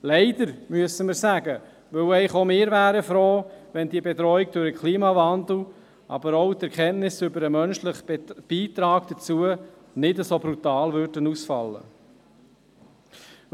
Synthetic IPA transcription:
lɛɪdəɾmyəsəməɾsæɡə | ʋɵwɛɪχomɪːɾvæːɾəfɾoːʋɛndiəbɛt̪ɾɔik̚d̥ʊɾəkʰliːmɑvɑndl̩ | ʔɑ̰bəɾoʊt̪ɛɾkʰɛnnɪsʏbəɾəmœnʃləχb̥iːt̪ɾɑːɡd̥ət͡suə | nɪdəsobɾut̪ɑːlvʏɾdənusfɑ̰lːə̰

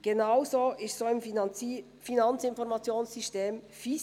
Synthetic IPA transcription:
ɡ̥enaʊzoːʔɪstsoːɪmf | finɑnt͡sɪnfɔɾmɑt͡sjoːnsysteːmfi

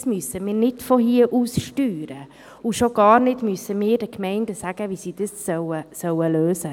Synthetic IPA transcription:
smyəsəmɪːɾnɪdfɔɦiəʔuːsʃtyːɾə | uʃoɡɑːɾnɪdmyəsəmiːɾdəkmɛɪndəsæɡ̥əʋisid̥əsːœwəsœwəløːsə

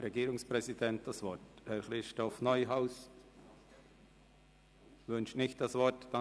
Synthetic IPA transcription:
ɾeɡiːɾʊŋspɾɛzidɛnt̚d̥asvɔthɛɾχɾɪʃtɔfnɔʏɦaʊs | vʏnʃnɪçt̚d̥asvɔtd̥a

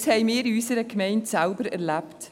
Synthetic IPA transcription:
shɛɪmiːɾysəɾəkmɛɪntsalbəɾɛ̰ɾlæpt

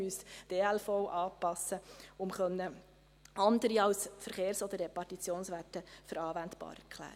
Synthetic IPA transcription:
ysd̥eːælfɔʊʔɑːpɑsːəʊmχœnːə | ɑnd̪əɾiɑwsfəɾχeːɾsɔd̪əɾːepɑtit͡sjoːnsʋætəfəɾɑːʋænt̪b̥ɑ̰ːɾɛ̰ɾkʰlæ̰ːɾə

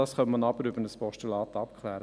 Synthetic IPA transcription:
ɑsχœnmɑnɑb̥əɾʏbənəspɔʃtylɑːt̪ɑpkʰlæːɾə

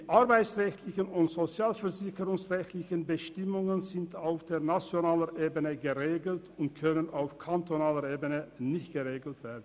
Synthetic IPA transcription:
iʔaɐbaɪt͡sʁɛçtʰlɪçənʊntz̥ot͡sjaːlfɛɐzɪçəʁʊŋsʁɛçtlɪçənbəʃtɪmʊŋənzɪntaʊfd̥eːɐnat͡sjonaːləʁʔeːbənəɡəʁeːɡl̩tʰʊnt̚kʰœnənaʊfkʰantonaːləʁeːbənənɪçtɡ̥əʁeːɡl̩tv̥eːɐdn̩

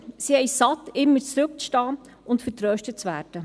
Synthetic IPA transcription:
sihɛjsɑt̪ɪmːəɾt͡sɾʉk̚t͡sʃtɑː | ʊntfəɾtɾøːʃtət̚t͡sʋæːɾd̥ə

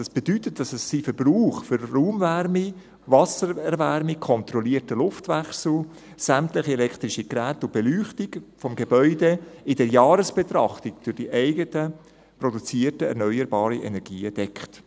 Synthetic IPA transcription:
d̥ɑsb̥edytət̚d̥ɑsɛsːifəɾbruːχfʏɾruːmværmi | vɑsəɾɛɾvɛɾmikʰɔnt̪ɾɔliətəlʊftvæχsl̩ | sæmtlɪχiɛlɛkt̪ɾiʃikɾæːtʊb̥elyːχtikfɔmɡebœʏdeɪdɛɾjɑːɾəsb̥et̪ɾɑχtikd̥ʊɾd̥iʔɛɪɡətə | prɔdut͡siətəɛ̰ɾnœʏəɾbɑːɾiʔɛ̰nɛɾɡiːəd̥ɛkχt

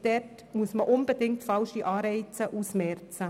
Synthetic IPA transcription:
d̥ɛrt | muəsməʔʊnbədɪŋtfɑlʃiʔɑːɾɛɪt͡səʔusmɛɾt͡sə

